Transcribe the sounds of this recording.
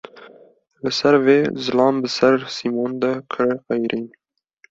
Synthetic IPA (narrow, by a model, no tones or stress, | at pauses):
lɨsɛɾveːzɨlɑːmbɨsɛɾsimoːnd̪ɛkʰɨɾqɛjɾʔiːn